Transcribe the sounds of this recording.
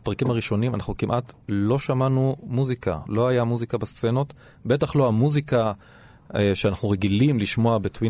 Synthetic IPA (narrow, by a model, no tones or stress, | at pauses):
pʁakimaʁiʃo̞nimanaχnukimʔatlo̞ʃamanumuzika̰lo̞ajamuzikabast͡seno̞t | be̞taχlo̞amuzika | ʃeanaχnuʁeɡilimliʃmo̞abetwi